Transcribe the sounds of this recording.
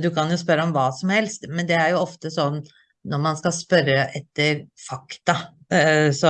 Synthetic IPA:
d̪ʉkɑnjʊspœɾːəɔmʋɑːsɔmhɛlst̪mɛnd̪ɛæɾjʊɔft̪əsɔnː | nːɔɾmɑnskɑspœɾəʔɛt̪ːəɾfɑkt̪ɑ | sɔ

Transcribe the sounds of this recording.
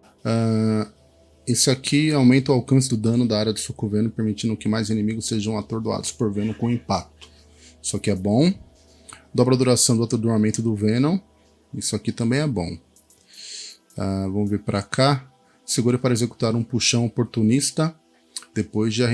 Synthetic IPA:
a | esɪakʰiawmẽnt̪ɐʊwawkɐ̃s̬ɪd̪ʊd̪ɐ̃nʊd̪aaɾjɐd̪ʊsukuvẽnʊ̃peɾmit͡ʃ̪ĩnd̪ʊkɪmajzenẽmiɡʊseʒɐ̃w̃at̪oɾd̪ua̰d̪ʊspoɾvẽnɐ̃kõĩpak̚t̪ʊ̥ | sɔkɪɛbõw̃ | d̪ɔbɾɐd̪uɾasɐ̃w̃d̪ʊat̪d̪uɾmamẽnt̪ʊd̪ʊvẽnõw | isʊakit̪ɐ̃mbẽj̃ɛbõ̰ | avɐ̃mʊveɾpɾʔakʰa | seɡuɾɐpaɾɐezeku̥t̪aɾũpuʃɐ̃w̃opoɾt̪unist̪ɐ | d̪̥epojzd͡ʒɪɐh

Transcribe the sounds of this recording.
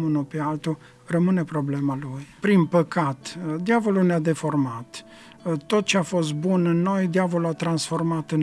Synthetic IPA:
unupealt̪u | rəmɨne̞pɾo̞ble̞malujpɾinpəkat̪d̪javo̞lunead̪e̞fo̞rmat̪ | t̪ːo̞t̪̚t͡ʃeafo̞s̬t̪̚bunɨnːo̞jd̪iavo̞luat̪ɾansfo̞rmat̪ɨn

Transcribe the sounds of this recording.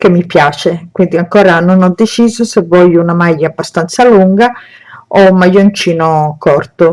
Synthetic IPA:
kemːipjaːt͡ʃekwind̪iaŋkoːɾanonɔd̪ːet͡ʃiːzosevːɔʎːunamajːaːbːast̪ant̪saluŋɡa | ommajont͡ʃiːnokɔrt̪o

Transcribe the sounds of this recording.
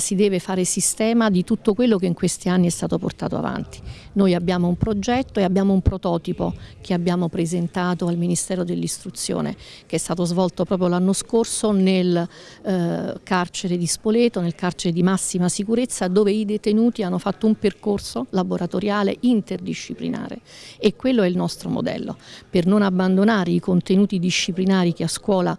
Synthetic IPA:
sid̪ɛːvefaːɾesist̪ɛːmad̪it̪ut̪ːokwelːokeiŋkwest̪ianːiɛst̪aːt̪opo̰rt̪a̰ːt̪o̰a̰va̰nt̪i̥ | noːjabːjaːmoumpɾod͡ʒɛt̪ːoeabːjaːmoumpɾot̪ɔːt̪ipok̟ʰeabːjaːmopɾezent̪aːt̪oalminist̪ɛːɾod̪elːist̪ɾut̪sːjo̰ːnḛ | keɛst̪aːt̪ozvɔlt̪opɾɔːp̬ɾjolanːoskorsonel | kart͡ʃeɾed̪ispoleːt̪onelkart͡ʃeɾed̪imasːimasikuɾet̪sːad̪oːveid̪et̪enuːt̪ianːofat̪ːoumperkorsolaboɾʔat̪oɾjaːlḛint̪erd̪iʃːiplḭna̰ːɾḛ | ekːwelːoɛilnɔst̪ɾomo̰d̪ɛ̰lːo̰pernonabːand̪onaːɾeikont̪enuːt̪id̪iʃːiplinaːɾik̟easkwɔːla

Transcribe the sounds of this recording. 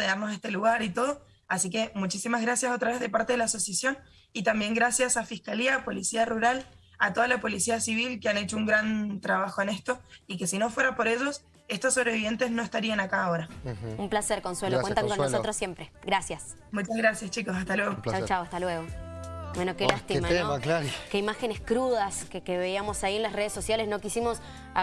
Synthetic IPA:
eðaɾnos̬e̞st̪eluɣaɾit̪o̞ð̞o̞ | asike̞mut͡ʃisimazɣɾasjaso̞t̪ɾaβe̞zðe̞paɾt̪e̞ðelaːsosjasjo̞n | it̪ambje̞ŋɡɾasjasafihkaliapo̞lisiaruɾal | at̪o̞ðalapo̞lisiasiβilkeane̞t͡ʃo̞uŋɡɾant̪ɾaβ̞axo̞ene̞st̪o̞ike̞sino̞fwe̞ɾapo̞ɾe̞ʒo̞s | e̞st̪osːo̞βɾeβiβje̞nt̪e̞zno̞est̪aɾianakaoɾaumplaseɾkonswelowet̪aŋkonnosot̪ɾosːjempɾeɡɾasjas | mut͡ʃaɣɾasjast͡ʃiko̞sast̪alweɣot͡ʃawt͡ʃawast̪alweɣobwenokelaht̪imanklakeimaxeneskɾuðaskekeβeiamo̞saienlasreð̞eso̞sjalesno̞kisimo̞s

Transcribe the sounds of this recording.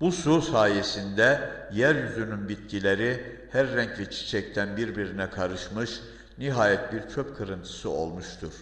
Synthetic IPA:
bususaːjesind̪ɛjæɾjyzynynbit̪̚cilʲeɾi | hæɾːɛɲcvɛt͡ʃʰi̥t͡ʃʰɛc̚t̪ʰænbiɾbiɾinɛkʰaɾɯʃmɯʃ | niɦaːjɛt̪̚biɾt͡ʃʰøpkʰɯɾɯnt̪ʰɯ̥sɯo̞̰lˠmuʃt̪ʰuɾ̥

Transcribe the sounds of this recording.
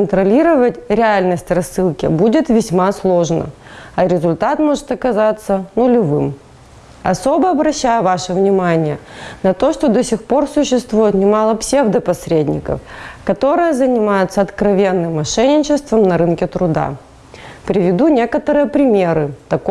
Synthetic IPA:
nt̪ɾɐlʲiɾəvətʲɾʲɪalʲnəsʲtʲrɐsːɨlˠkʲɪ̰budʲɪt̪vʲɪsʲmaslˠo̞ʐnə̰ɐɾʲɪzʊlʲt̪at̪mo̞ʐɨt̪ɐkɐzat̪sːənʊlʲɪvɨm | ɐso̞bəɐbɾɐɕːæjʊvaʂɨvnʲɪmanʲɪjənɐt̪o̞ʂt̪od̪osʲɪxpo̞rsʊɕːɪst̪vujɪt̪nʲɪmɑlˠəpsʲe̞vd̪əpɐsɾʲedʲnʲɪ̰kə̰fkɐt̪o̞ɾɨjəzənʲɪmajʊt̪səɐt̪kɾɐvʲe̞nːɨmːɐʂɛnʲɪt͡ɕɪst̪vəmnɐɾɨnkʲɪt̪ɾʊd̪a̰ | pɾʲɪvʲɪd̪unʲe̞kət̪əɾɨjəpɾʲɪmʲe̞ɾɨt̪ɐk

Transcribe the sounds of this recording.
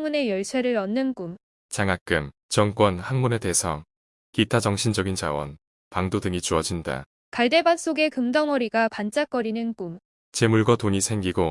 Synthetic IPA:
ŋune̞jʌɭsʰweɾɯɾʌnːɯnkum | t͡ɕaŋak͈ɯm | t͡ɕʌŋk͈wʌnhaŋmune̞te̞ːsʰʌŋ | kitʰad͡ʑʌŋɕʰind͡ʑʌɡint͡ɕa̰wʌ̰n | paŋdodɯŋit͡ɕuʌd͡ʑinda̰ | kaɭde̞bans͈oɡe̞kɯmdʌŋʌɾiɡapant͡ɕ͈ak͈ʌɾinɯnkum | t͡ɕe̞muɭɡʌtoɲisʰe̞ŋɡiɡo

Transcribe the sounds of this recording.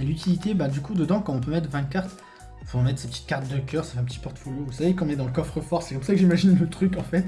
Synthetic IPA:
lyt̪ʰilit̪ebad̪ykud̪əd̪ɑ̃kɑ̃ɔ̃pømɛt̪χvɛ̃kaʁt̪ | foɑ̃mɛt̪χse̥pət̪i̥t̪̚kaʁt̪̚d̪əkʲœʁsafɛɛ̃pət̪i̥pɔʁt̪folovusavekɑ̃ɔ̃nɛd̪ɑ̃ləkɔfχəfɔʁsɛkɔmsakəʒimaʒinlət̪χykɑ̃fɛt̪

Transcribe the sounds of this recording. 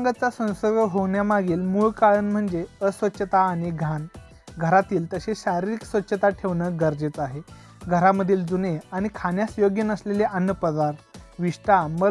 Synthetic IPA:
ɡət͡sasə̃w̃səɾɡəɦoʋɳjamaɡiːlmuɭkaɭənm̤əɳd͡zeəsʋətːɕʰət̪aːɽ̃iɡʱan | ɡʱəɾat̪iːlt̪əɕeɕaɾiɾiksʋətːɕʰət̪aʈʰeʋɳəɡəɾd͡zet͡saɦe | ɡʱəɾaməd̪ʱːiːld͡zuneaɽ̃ikʰanjasjoɡjənəsleleʔənːjəpəd̪aɾʋiʂʈamə

